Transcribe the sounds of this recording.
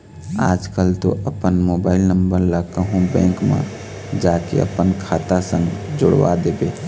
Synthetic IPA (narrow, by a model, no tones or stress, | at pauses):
a̰ːd͡ʒkəlt̪o̰ʔəpənmobaːɪlnəmbəɾlakəɦũbɛ̰̃ːkmã̰ | d͡ʒakḛə̰pənkʰat̪asə̃ŋɡd͡ʒʊɽʋa̰d̪ebe